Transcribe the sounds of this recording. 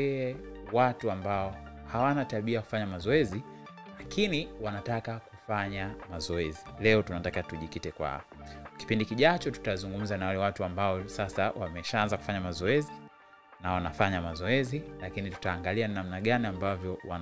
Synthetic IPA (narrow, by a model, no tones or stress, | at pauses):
ɛɛwatuambaɔhawanataɓiaku̥faɲamazɔɛzi | lakiniwanatakakufaɲamazɔɛzilɛɔtunatakatuʄikitɛkwa̰ɔki̥pindikiʄat͡ʃɔtu̥tawzuŋɡum̩zanawalɛwatuambaɔsasa̰wamɛʃaanzakufaɲamazɔɛzi | nawanafaɲamazɔɛzilakinitu̥taːŋɡaliannamnaɠaniambavjɔwa̰n